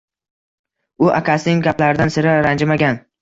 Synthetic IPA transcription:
ʊʔa̰kʲʰasɪnɪŋɡʲaplaɾɪd̪ansɪɾaɾand͡ʒmaɡʲan

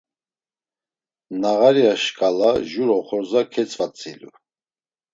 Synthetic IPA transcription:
naʁaɾiaʃkʼalaʒuɾɔχɔɾzakʰɛt͡sʼvat͡sʼḭlṵ

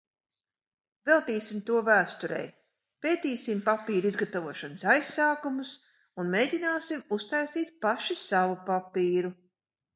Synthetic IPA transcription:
vɛlˠt̪iːsʲimt̪uɔvæːst̪uɾɛ̰j | peːt̪iːsimpapiːɾizɡat̪avuɔʃansajsaːkumus | unmeːɟinaːsimust̪ajst̪iːt̪̚paʃisavupapiːɾu

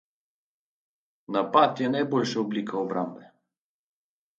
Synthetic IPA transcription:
napat̪jɛnajbolʲʃaoblikʰaobɾambɛ

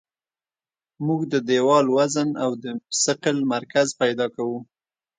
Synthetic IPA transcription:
muɡd̪əd̪ewɑlwazənawd̪əsɪqəlmaɾkazpajd̪ɑkawu

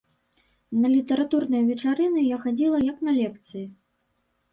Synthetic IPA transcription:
nɐlʲit̪ɐɾat̪urnɨjɐvʲɛt͡ʂaɾɨnɨjaxad͡zʲilˠɐjɐknɐlʲɛkt̪sɨji

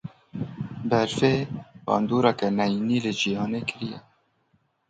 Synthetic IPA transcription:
bɛɾfeːbɑ̰ːnd̪uːɾɛkɛnɛjiniːlɨd͡ʒijɑːneːkɪɾijɛ̰

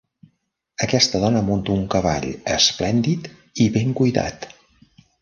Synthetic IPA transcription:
əkɛst̪əðɔnəmunt̪uŋkəβ̞a̰ʎəsplɛnd̪it̪ | iβeŋkujða̰t̪

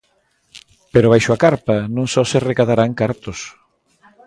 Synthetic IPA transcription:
peɾʊβajʃʊakaɾpɐnõŋsɔsɪrekaðaɾaŋkaɾt̪os

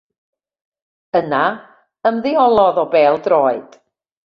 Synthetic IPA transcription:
əna | əmðɪɔlˠɔðɔbɛːlˠdroːɨd̥

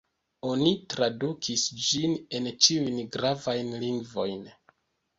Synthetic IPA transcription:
o̞nitɾadukʰisd͡ʒine̞nt͡ʃiujnɡɾavajnliŋɡvo̞jn

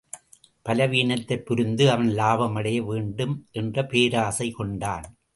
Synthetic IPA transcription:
pɐlɐʋiːɳɐt̪ːɐɪpːʊɾɯnd̪ɯɐʋɐnlaːʋɐmɐɽɐjɐʋeːɳɖɯmʔɛndrɐpeːɾaːsɐɪkɔɳɖaːn

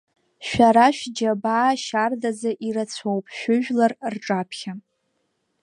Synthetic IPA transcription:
ʃʷᶣaɾaʃᶣd͡ʒabaːʃardazaʔiɾat͡sʷʰowpʼʃᶣʊʒᶣlarrʈ͡ʂʼapʰχʲa

